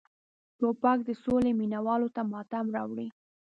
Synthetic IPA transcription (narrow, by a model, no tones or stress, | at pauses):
topɑk̚d̪əsoleminawɑlot̪amɑt̪amɾɑwɽi